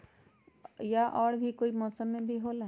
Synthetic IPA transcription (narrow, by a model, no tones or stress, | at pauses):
jaʔɔːɽbʱikoːimɔːsəmːẽbʱiɦoːla